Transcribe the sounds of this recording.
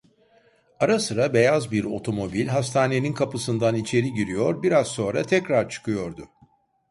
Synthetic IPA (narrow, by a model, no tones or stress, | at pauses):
aɾasɯɾabe̞jazbiɾo̞̰t̪ʰo̞mo̞bilʲɦast̪ʰaːne̞ninkʰapɯsɯnd̪anit͡ʃʰe̞ɾiɟiɾijo̞ɾbiɾazso̞nɾat̪ʰɛcɾaɾt͡ʃʰɯ̥kʰɯjo̞ɾd̪ʊ